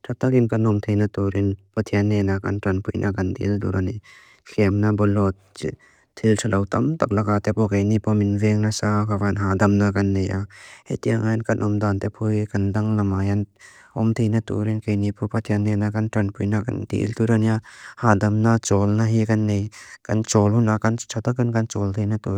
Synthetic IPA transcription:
tʰat̪akinkanɔmtʰejnatuɾinpɐtʰianːenaka̰ntɾɐnpʰujnʔaɡandḭltṵɾani | kʰemnabɔlɔt̚ | tʰːiltʰalawtɐmtak̚lakat̪epɔkajnipʰɔminveŋnasakavanɦadɐmnakɐnːejahḛtijaŋajnkɐnʔɔmd̪ant̪epʰujkandaŋlɐmajan | ɔmt̪ʰejnatṵɾinkajnipʰɔpat̪ʰjanːenakantɾanpʰujnaka̰ndḭlt̪uɾaniahadɐmnat͡ʃɔlnaɦikɐnːejkant͡ʃɔlunakant͡ʃʰat̪akɯnkant͡ʃɔlt̪ʰejnatu

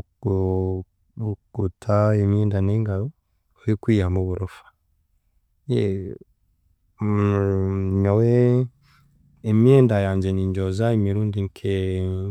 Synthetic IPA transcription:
ɡ̥utʰaemjeːndaneːŋɡaɾo | ojikwiːjamuβuɾofḁ | je | ɲawe | emjeːndajaːɲɟeniɲɟozaemiɾuːndiŋkʰe

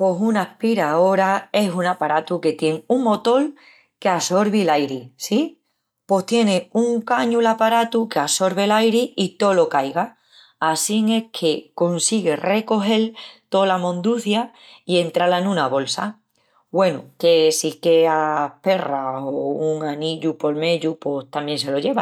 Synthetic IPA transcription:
po̞sunahpiɾao̞ɾae̞sunapaɾat̪uke̞t̪je̞ŋuŋmo̞t̪o̞l | keaso̞ɾβilajɾisi | po̞st̪je̞neuŋkaɲulapaɾat̪ukeaso̞ɾβe̞lajɾiit̪o̞lo̞kajɣaː | siŋe̞kʰe̞ko̞nsiɣe̞re̞ko̞ɦe̞lt̪o̞lamõ̞nd̪uθja | ie̞nt̪ɾalaenũnaβo̞lsa̰ | bwe̞nuke̞sike̞ape̞raouŋaniʎupo̞lme̞ʎupo̞st̪amjẽ̞ns̬e̞lo̞ʎe̞βa

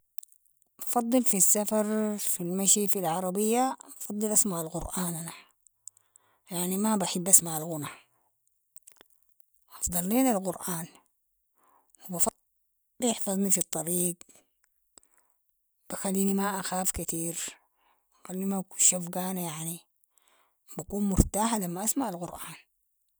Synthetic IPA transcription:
b̥ɑfɑd̪ˤːɨlfisːafɑɾˤfilmaʃifilʕɑɾˤɑbɪjːabɑfɑd̪ˤːɨlʔasmaʕalqʊɾʔaːnʔana | jaʕnimabaħɪbːʔasmaʕalɣʊna | ʔɑfd̪ˤɑlːiːnalqʊɾʔaːn | wibɑf | bɪħfɑzˤnifit̪ˤːɑɾiːɡ | b̥ixalːiːnimaʔaxaːfkat̪iːɾ | xalːimakuʃafɡaːnajaʕni | bakuːnmʊɾt̪aːħalamːaʔasmaʕalɣʊɾʔaːn

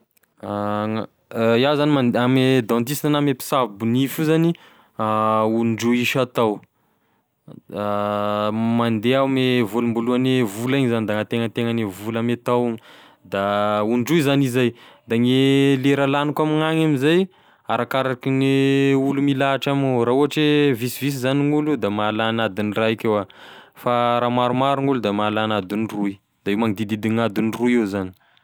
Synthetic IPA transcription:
jawzanimanamed̪ɔ̃nt̪isinanamepi̥savibunifuzani | aunɖ͡ʐuiʃat̪aw | mand̪eamevulumbuluanevulaiɲizanid̪aŋat̪eŋət̪eŋanevulamet̪awiŋi | d̪auɳɖ͡ʐuizanizajd̪aŋeleɾalanukamiŋaŋamizaj | aɾakaɾakiŋeulumilaːʈ͡ʂamurauɦaʈ͡ʂevisivis̬izaniŋulud̪amalanad̪iniraikʲewafaɾamaɾumaɾuŋulud̪amalanad̪unruj | d̪aewmaŋid̪id̪id̪iŋad̪unirujewzani̥

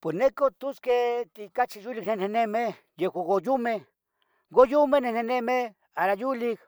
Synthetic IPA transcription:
pwesnekot̪usket̪ikat͡ʃijuliknenenemeh | jehwʷaɡojume | ɡojumenenenemeh | aɾajulik

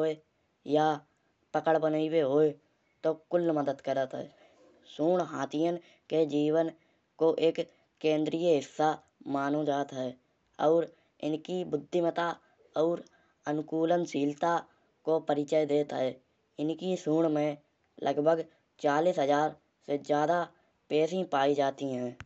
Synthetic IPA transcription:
ɦoːe | jaː | pəkəɽbənːiweɦoːe | t̪oːkʊlːməd̪əd̪kəɾət̪ɦɛ̰ː | suːɳɦaːt̪ɪjən | ked͡ʒiːwən | koʔeːkː | ẽːnd̪ɾijəɦɪsːa | maːnod͡ʒaːt̪ɦɛː | ɔːɾ | ɪ̰nkibʊd̪ʱːɪmət̪aː | ɔːɾ | ənʊkuːlənsiːlt̪aː | koːpəɾɪt͡ʃəed̪eːt̪ɦɛː | ɪnkisuːɳmẽ | lʔəɡbʱəɡ | t͡ʃaːliːsɦəzaːɾ | sed͡ʒjaːd̪a | pɛːsĩpaːid͡ʒaːt̪iɦɛ̃ː

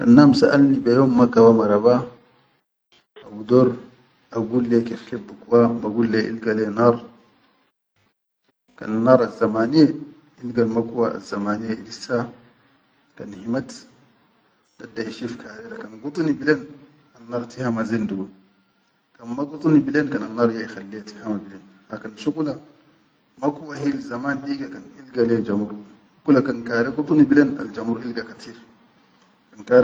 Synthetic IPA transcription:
ka̰nːaːmsaʔalnibajoːmːakawamaɾaba | abud̪oɾ | ʔaɡuːlːekiħibːukuwamaɡulːeʔḭlɡalenɑːɾˤ | ka̰nnɑːɾˤazːamaːnie | ilɡalmakuwaa̰zːamaːnijeilisa | kanhimat̪ | dadːahiʃifkʰaɾeɾakanɡut̪ˤnibilen | anːɑːɾˤtihamazenduɡun | kanmaɡut̪ˤnibilenkananːɑːɾˤjaixalːijatihamabilenhakanʃuɡula | makuwahilzamaːnliɡakanhilɡaled͡ʒamuɾ | ukulakankaːɾeɡut̪ˤnibilena̰ld͡ʒamuɾhilɡakat̪ʰiːɾ | kankaɾ

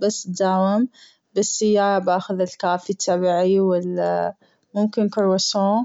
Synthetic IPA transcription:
basːt̪̚d̪aːwɪm | basːɪjːaːɾbʔaːxʊðɪlkaːfit̪ʰːabiʕiwɪla | mʊmkɪnkʊɾwasoː

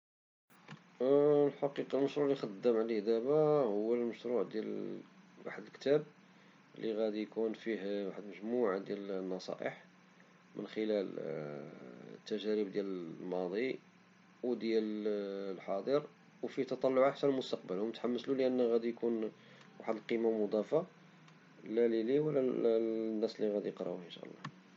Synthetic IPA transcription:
lħɑqiqɑlməʃɾuʕlixɑd̪ːəmʕlihd̪æbæhʊwːəlməʃɾˤuʕd̪jæl | wa̰ħəd̪əlkt̪æb | lːiɣæd̪ijkunfihwaħəd̪məʒmuʕad̪jælnːɑsˤɑ̰ʔə̰ħ | mʔə̰nxəlæl | t̪ːæʒæɾib̚d̪jællmɑd̪ˤi | wd̪jællħɑd̪ˤəɾ | wfiht̪ɑt̪ˤɑlːʊʕaħsænəlmʊst̪ɑq̚bəlwmət̪ħamːəsluləʔənːɣæd̪ijkun | waħəd̪əlqimamod̪ˤɑfa | læliliwəlːæ | nːæslːiɣæd̪ijəqɾˤɑ̰uənʃæ̰ʔlˤːɑ̰

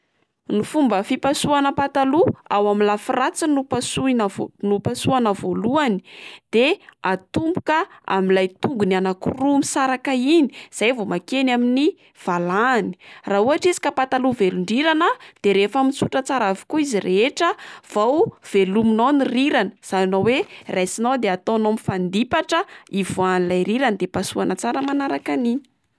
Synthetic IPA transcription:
nufumbəfipasuanəpat̪aluawamilafirat͡sinupasuinnupasuanəvoluani̥d̪̥eat̪umbu̥kəa̰milajt̪uŋɡunanakurumisaɾakaini̥z̥ajvomakenamini | v̥alani̥raːuaʈ͡ʂizi̥kəpat̪aluveluɳɖ͡ʐiɾanəd̪̥eɾefamit͡suʈ͡ʂət͡saɾavu̥kuizireʈ͡ʂəv̥awv̥eluminaniriɾanəz̥aninowerajsinawd̪eat̪onomifand̪ipaʈ͡ʂəivoanilajɾiɾanid̪epasuanət͡saɾəmanaɾakanini̥

